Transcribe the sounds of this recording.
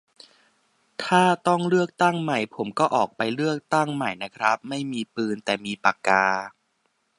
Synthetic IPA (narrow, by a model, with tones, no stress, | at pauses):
t̪ʰaː˥˩t̪ɔ˥˩ŋɾɯ˥˩ək̚t̪a˥˩ŋma˨˩jpʰo˩˦mkɔː˥˩ʔɔː˨˩k̚pa˧jlɯ˥˩ək̚t̪a˥˩ŋma˨˩jna˦˥kʰɾa˦˥p̚ma˥˩jmiː˧pɯː˧nt̪ɛː˨˩miː˧pa˨˩kːaː˧